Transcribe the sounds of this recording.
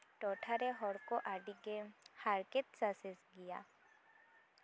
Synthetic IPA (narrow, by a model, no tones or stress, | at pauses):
ʈɔʈʰaɾɛɦɔɽkɔʔaɖiɡɛhaɾkɛt̪̚sasɛsɡija